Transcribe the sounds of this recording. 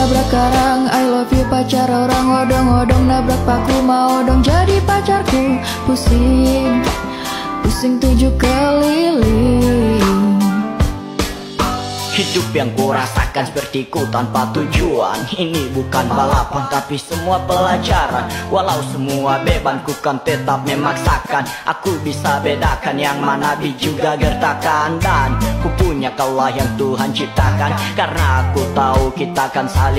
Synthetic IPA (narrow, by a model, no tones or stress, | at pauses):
nabɾakːaɾaŋajlɔfipat͡ʃaɾoɾaŋɔdɔŋɔdɔŋnabɾak̚pakumaɔdɔŋd͡ʒadipat͡ʃarku | pusɪŋ | pusɪŋt̪ud͡ʒukəlili | ŋ | hidʊpjaŋkuɾasa̰kansə̥pərt̪ikut̪anpat̪ud͡ʒua̰ninibukanbalapant̪apisəmuapəlad͡ʒaɾanwʔalausəmuabebankukant̪ət̪ap̚memaŋsakanʔa̰kubisabedakanjaŋmanabid͡ʒuɡaɡərt̪akandankupuɲakaulahjaŋt̪uɦant͡ʃip̚t̪akankarənaːkut̪aukit̪aːkansal